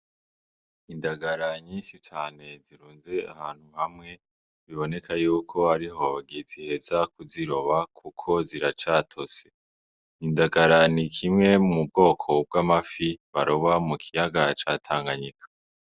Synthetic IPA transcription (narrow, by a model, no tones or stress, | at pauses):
indaɡaɾaɲiːnʃit͡ʃaːne̞ziɾuːnze̞a̰haːn̥huhamŋe̞ | βiβo̞ne̞kʰajuːkʰo̞aɾiɦoβaɡizihe̞zakuziɾo̞βakʰukʰo̞ziɾat͡ʃaːtʰo̞se | indaɡaɾanikʰimŋe̞mumub̚ɡo̞ːkʰo̞b̚ɡaːmafiβaɾoβamukʰijaɡat͡ʃatʰaːŋɡaɲikʰḁ